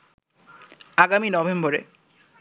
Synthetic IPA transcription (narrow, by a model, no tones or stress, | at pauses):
aɡaminɔbemboɾḛ